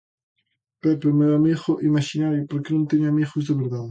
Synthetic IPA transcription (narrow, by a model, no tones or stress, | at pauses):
pɛpemewamiɣʊʔimaʃinaɾjopoɾkenõnt̪eɲʊamiɣʊzðeβeɾðað